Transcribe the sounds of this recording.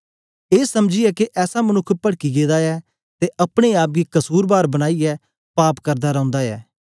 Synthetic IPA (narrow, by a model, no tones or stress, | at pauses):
eːsɐmd͡ʒɪjɛkeʔɛːsamɐnʊkʰːpɐɽkiɡeːd̪aɛː | t̪eʔɐpɽ̃eaːp̬̚ɡikɐsuːɾbaːɾbɐñaːiɛː | paːpkɐɾd̪aɾɐ̃ʊ̃nd̪aɛ̰ː